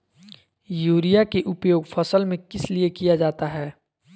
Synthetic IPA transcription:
juːɾijakeʔʊpjoːɡfɐsəlmẽkɪsliekijad͡ʒaːt̪aɦɛː

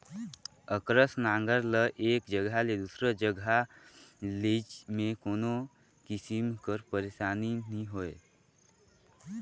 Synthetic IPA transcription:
əkɾəsnãːŋɡəɾləʔeːkd͡ʒəɡʱaled̪uːsɾəd͡ʒəɡʱa | let͡ʃmẽkoːno | kɪsimkəɾpəɾeːʃaːninĩɦoːe

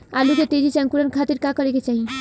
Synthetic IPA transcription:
aluket̪ed͡ʒit͡ʃãŋkuɾənkʰat̪iɾkãkɔɾeket͡ʃaɦi

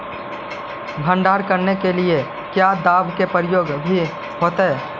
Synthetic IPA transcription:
bʱə̃ɳɖaːɾkəɾnekelie | kjad̪aːbkepəɾɪjoːɡbʱi | ɦoːt̪ɛ

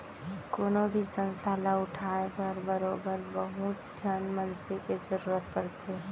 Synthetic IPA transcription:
koːnobʱisə̃nst̪ʰalaʊʈʰaːepəɾbəɾoːbəɾbəɦut̪d͡ʒənmənseked͡ʒəɾuːɾət̪̚pəɾt̪ʰe

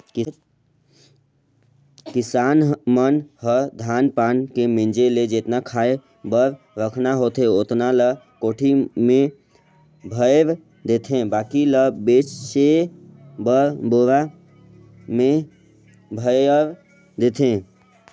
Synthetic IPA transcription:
k | kɪsaːnmənhəd̪ʱaːnpaːnkemɪ̃nd͡ʒeled͡ʒeːt̪nakʰaːe | bəɾ | ɾəkʰnaɦoːt̪ɦeot̪nalə | koːʈʰimẽ | bʱəjɾ | d̪eːt̪ʰẽbaːkiləbeːt͡ʃse | bəɾboɾa | mẽ | bʱəɾ | d̪eːt̪ʰẽ

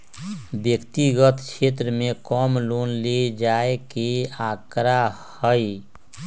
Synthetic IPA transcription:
bjəkt̪iɡət̪t͡ʃʰet̪ɾəmẽkɔmloːnled͡ʒaekeakɾa | həj

